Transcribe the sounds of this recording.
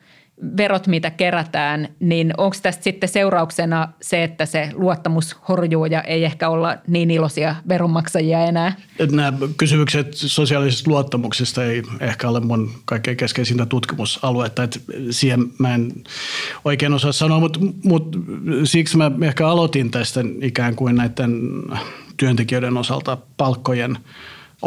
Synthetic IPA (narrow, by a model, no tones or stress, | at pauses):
ʋerot̪mit̪ækeræt̪æːnninoŋkst̪æst̪sit̪ːeseurɑuksenɑseet̪ːæseluot̪ːɑmushorjuːjɑʔeiehkæolːɑniːnilosiɑʋeromːɑksɑjiɑenæː | et̪næːkysymykset̪sosiɑlisest̪luot̪ːɑmuksest̪eiehkæolemmunkɑikːeːkeskensint̪æt̪ut̪kimusɑluet̪ːɑet̪siːhemmæen | oikeːnosɑːssɑnoɑmut̪mut̪siksmæehkæɑlot̪int̪æst̪æikæːŋkuinnæit̪ːen | t̪yønt̪ekiøiɾenosɑ̰lt̪ɑpɑlkːojen